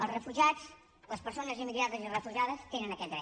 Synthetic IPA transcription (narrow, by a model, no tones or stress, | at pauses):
əlˠzrəfuʒat͡s | ləspəɾsonəzimiðiat̪əzirəfuʒaðəst̪enənəkɛt̪d̪ɾɛ